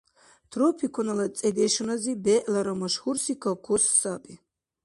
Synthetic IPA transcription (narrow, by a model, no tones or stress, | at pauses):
t̪ʰrɔpʰikʰɔnalat͡sʼɛd̪ɛʃunazibɛʔlaɾamaʃxursikʰakʰɔsːapʼi